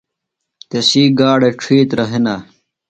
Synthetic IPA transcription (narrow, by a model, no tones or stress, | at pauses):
t̪esiːɡaːɽeʈ͡ʂʰiːt̪ɾɐɦina